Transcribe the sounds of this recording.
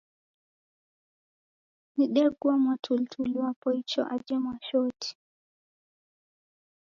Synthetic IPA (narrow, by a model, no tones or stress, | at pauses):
niɗɛɡuamwatʰultʰuliwapɔit͡ʃɔ̰ʔad͡ʒɛmwaʃɔtʰi̥